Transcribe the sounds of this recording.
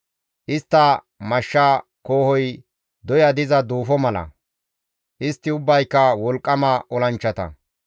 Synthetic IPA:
ʔɪst̪ːɐ | mɐʃːakoːhɔj | d̪ɔjɐd̪ɪzɐd̪uːfɔmɐlɐ̰ | ʔɪst̪ːɪʊbːɐjkːɐwɔlkʼːɐmɐʔɔlɐnt͡ʃːɐt̪ɐ̰

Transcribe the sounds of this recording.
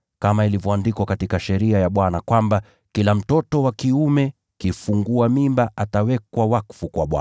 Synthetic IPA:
kamailivjɔandikwakatikaʃɛɾiajaɓwanakwamba | kilam̩tɔtɔwakiumɛ | kifuŋɡuamimbaʔatawɛkwawakfukwa̰ɓwa̰

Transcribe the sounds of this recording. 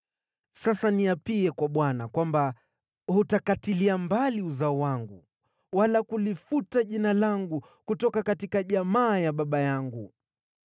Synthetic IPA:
sasaniapiɛkwaɓwanakwamba | hutakatiliambaliuzaɔwaŋɡu | walakulifutaʄinalaŋɡu | kutɔkakatikaʄamaːjaɓaɓajaŋɡu

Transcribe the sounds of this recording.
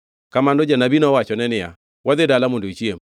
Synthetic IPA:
kamandod͡ʒanabinɔwat͡ʃɔnɛnɪja̰ | wad̪edalamondoit͡ʃiem

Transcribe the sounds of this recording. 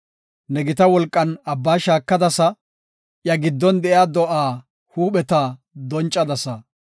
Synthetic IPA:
nɛɡɪt̪ɐwɔlkʼːɐnɐbːaːʃaːkːɐd̪ɐsɐ | ʔjɐɡɪd̪ːɔnd̪ɛʔjaːd̪ɔʔaː | huːɓɛt̪a | d̪ɔnt͡ʃʼːɐd̪ɐsɐ

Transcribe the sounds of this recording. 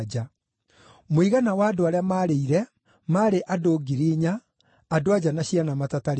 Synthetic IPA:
d͡ʒa | moiɣanawaːdoaɾeamaɾeiɾɛ | maːɾeʔadoːɡiɾiɲaː | doad͡ʑanaɕianamatataɾ

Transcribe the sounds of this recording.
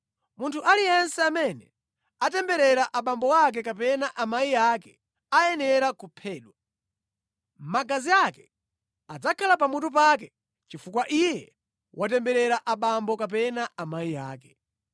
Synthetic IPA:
muntʰuʔalijɛnsɛamɛnɛ | atɛmbɛɾɛɾaʔaɓambɔwak̬ɛkapɛnaʔamaijakɛ | ajɛnɛɾakupʰɛːɗwa | maɡaziakɛ | ad͡zakʰalap̬amut̬up̬ak̬ɛ | t͡ʃifukwaʔijɛ | wʔatɛmbɛɾɛɾaʔaɓambɔkap̬ɛnaamaija̰ːkɛ̥

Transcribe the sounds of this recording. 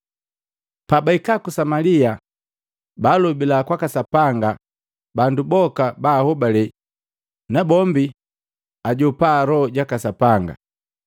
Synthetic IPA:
pabaikakusamalia | balubilakwakasapaŋɡa | bandubɔkabahɔbalɛ | nabɔmbi | aɟɔpaɾɔɟakasapaŋɡa̰

